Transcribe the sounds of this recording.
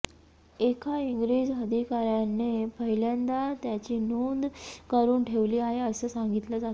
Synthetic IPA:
ekʰaiŋɡɾid͡ʑɦəd̪ʱikaɾjanːepəɦiljand̪at̪jat͡ɕiːnond̪kəɾuːnʈʰeʋliːaɦeəsəːsaŋɡit̪ləd͡zat̪

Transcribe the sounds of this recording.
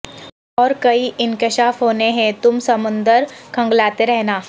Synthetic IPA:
ɔːɾkɐiʔɪ̃nkɪʃaːfɦoːneɦɛ̃t̪ʊmsɐmʊ̃nd̪əɾkʰɐ̃ŋɡlaːt̪eɾɛɦnaː

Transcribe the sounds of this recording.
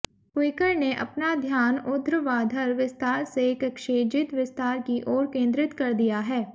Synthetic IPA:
pwɪɪkəɾneʔɐ̰pnad̪ʱjaːnʊd̪ɾəʋaːd̪ʱəɾʋɪst̪aːɾsekɐkʃeːd͡ʒɪt̪ʋɪst̪aːɾkiʔɔːɾkẽːnd̪ɾɪt̪kɐɾd̪ijaɦɛː

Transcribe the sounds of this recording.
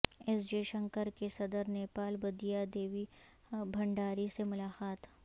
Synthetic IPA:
ɛsd͡ʒeːʃə̃ŋkəɾkesɐd̪əɾneːpaːlbɐd̪ijad̪eːʋi | bʱɐ̃ɳɖaːɾisemʊlaːqaːt̪

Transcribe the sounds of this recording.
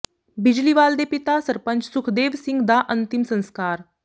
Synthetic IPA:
bɪd͡ʒliʋaːld̪epɪt̪asəɾpə̃ɲt͡ʃsʊkʰd̪eːʋsɪ̃ŋɡd̪aʔə̃nt̪ɪmsə̃nskaːɾ

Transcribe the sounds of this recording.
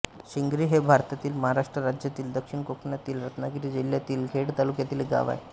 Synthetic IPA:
ɕiŋɡɾiːɦebʱaɾt̪at̪iːlməɦaɾaʂʈɾəɾad͡ʑjat̪iːld̪əkʂiɳkokʰɳjat̪iːlɾət̪naɡiɾid͡ʑilːjat̪iːlɡʱeɽt̪alukjat̪iːlɡa̰ʋa̰j

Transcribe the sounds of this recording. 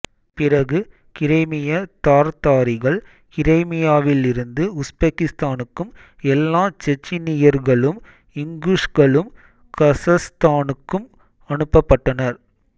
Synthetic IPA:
pɪɾɐɣɯ | kɪɾɐɪmɪjat̪aːɾt̪aːɾɪɣɐɭ | kɪɾɐɪmɪjaːʋɪlɪɾɯnd̪ɯʊsbɐkːɪst̪aːnɯkːɯm | ɛlːaːt͡ʃɛt͡ʃːɪnɪjɐɾɣɐɭɯm | ɪŋɡliʂɣɐɭɯm | kɐsɐst̪aːnɯkːɯm | ɐnɯpːɐpːɐʈːɐnɐɾ

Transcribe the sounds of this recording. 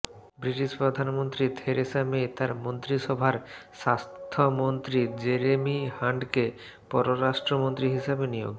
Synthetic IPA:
bɾiʈiʃpɾod̪ʱanmont̪ɾit̪ʰeɾesamet̪aɾmont̪ɾiʃɔbʱaɾʃast̪t̪ʰomont̪ɾid͡ʑeɾemihaɳɖke | pɔɾoɾaʃʈɾomont̪ɾiɦiʃabenijo̰ɡ

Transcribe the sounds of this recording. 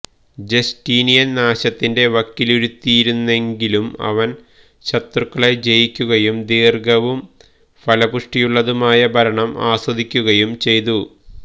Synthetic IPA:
d͡ʑestiːnijɐnnaːɕɐt̪ːinde̞ʋɐkːiluɾut̪ːiːɾunːe̞ŋɡilumɐ̰ʋɐn | ɕɐt̪rɨkːɐɭed͡ʑejikʲːuɣɐjumd̪iːrɡɐʋum | fɐlɐbuʂʈijuɭːɐðumaːjɐbʱɐɾɐɳɐmaːswɐd̪ʱikʲːuɣɐjumt͡ɕe̞jt̪̬u

